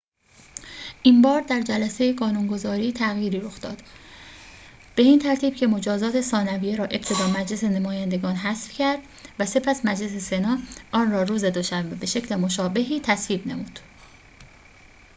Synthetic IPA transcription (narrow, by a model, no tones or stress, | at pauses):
ʔimbɒːɾd̪æɾd͡ʒælæse̞jeɡɒːnunɡo̞zɒːɾiːt̪ʰæɣjiːɾiːɾo̞xd̪ɒ̰ːd̪̥ | b̥e̞iːnt̪ʰæɾt̪ʰiːb̥cʰe̞mo̞d͡ʒɒːzɒːt̪ʰe̞sɒːnævijeɾɒːʔe̞b̥t̪ʰe̞d̪ɒːmæd͡ʒle̞senemɒːjænd̪e̞ɡɒːnɦæsfcʰæɾd̪̥ | væse̞pʰæsmæd͡ʒle̞se̞se̞nɒːʔɒːnrɒːɾuːze̞d̪o̞ʃæmbebe̞ʃe̞cʰle̞mo̞ʃɒːbe̞ɦiːt̪ʰæsviːbne̞̰muːd̪̥